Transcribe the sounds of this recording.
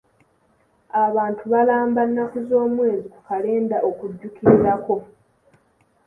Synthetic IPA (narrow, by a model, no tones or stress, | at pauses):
aβaːntʰuβalaːmbanːakuzo̞ːmwe̞ːzikukale̞ːndaʔo̞kuɟːukiɾiɾako̞